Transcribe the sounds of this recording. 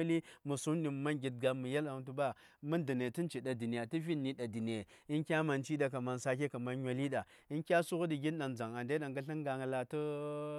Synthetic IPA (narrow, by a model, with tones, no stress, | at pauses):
a˦li˦mu˨su˦ndi˨m˨ma˦nɡʲi˨t̚ɡa˦mu˨ja˦la˨tu˦ba˦mu˦ndi˨ne˨ti˦n˦t͡ʃi˨ɗa˨di˨ni˨ja˨ti˦vi˦nːi˦ɗa˨di˨ne˨i˦nkʲa˦ma˨nt͡ʃi˦ɗa˨ka˨ma˨n˦sa˦k̬e˦ka˨ma˦n˦ɲʷ˦a˨li˦ɗa˨ | i˦nkʲa˦su˦ɣu˦di˨ɡʲi˦nɗa˨nd͡za˨ŋa˨nda˦ɗa˨ŋɡa˦ɬi˦ŋ˦ɡa˨ŋ˨la˨tə˦